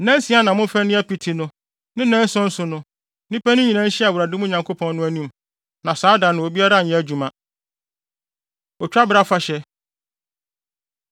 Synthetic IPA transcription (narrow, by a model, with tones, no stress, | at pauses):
nɛ̃˦n˦sĩ˨˦a˦nã˨mʊ̃˦fɛ˦nɪ̃˦ɛ˦pi˨tʰi˨nʊ̃˦ | nɪ̃˦nɛ̃˦n̩˦sʊ̃˦n̩˦sʊ˨nʊ̃˦ | nĩ˦pæ˦nʊ̃˦ɲĩ˨nã˦n̩˦ɕi˦a˨wʊ˨ɾa˨dɪ˦mʊ̃˦ɲã˨ŋkʰo˦pʰɔ̃˦nːʊ̃˦æ˦nĩ˦m | nã˨saː˦dã˨nɪ̃˨o˨bi˦a˦ɾa˦˨ɛ̃˦æ˨d͡ʑᶣu˨mã˦ | ɔ˨t͡ɕᶣa˦bɪ˦ɾa˦fa˦ɕɛ˦